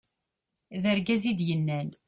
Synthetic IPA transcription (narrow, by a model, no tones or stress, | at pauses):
ðəɾɡæzid̪jənːæn